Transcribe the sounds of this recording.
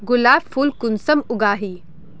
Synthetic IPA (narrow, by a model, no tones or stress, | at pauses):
ɡʊlaːbfuːlkʊnsɐmʊɡaːɦiː